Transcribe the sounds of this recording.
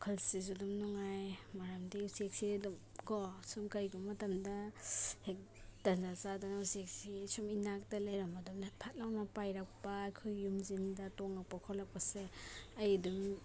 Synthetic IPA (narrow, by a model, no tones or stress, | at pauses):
kʰalsizudumnɔŋajmaɾamdiusiek̚sidumkɔsumkajɡumɐtɐmdahek̚ | d̥ɐnzazadanausiek̚sisuminak̚dalajɾamadumnapʰat̚lawnapajɾak̚paːjkʰojːumzindɐtɔŋak̚pakʰɔlak̚paseɐjadum